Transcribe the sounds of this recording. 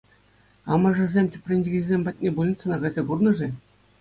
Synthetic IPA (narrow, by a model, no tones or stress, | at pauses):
ɑmɑʐɘ̆zʲemʲtʲɘ̆pʲrʲenʲːiɡʲizʲemʲpɑt̚ʲnʲebulʲnʲit̪ʲsɑ̆nɑɡɑzʲɑkurnɤ̆ʐɘ̆